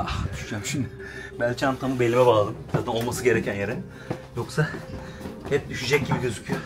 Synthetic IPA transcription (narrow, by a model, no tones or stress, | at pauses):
ad̪yʃd͡ʒamʃimd̪ɪ | bælʲt͡ʃiant̪ʰamɯbelʲːimɛbaːlˠad̪ɯmt̪ʰad̪ao̞lˠmasɯɟe̞ɾecʰænjeɾin | jo̞ksa | hɛp̚d̪yʃyd͡ʒɛc̚ɟibiɟø̞zycʰyjo